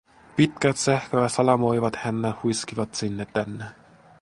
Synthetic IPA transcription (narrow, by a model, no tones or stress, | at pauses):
pit̪kæt̪sæhkøæsɑlɑmo̞jʋɑt̪hænːehujskiʋɑt̪sinːet̪ːænːe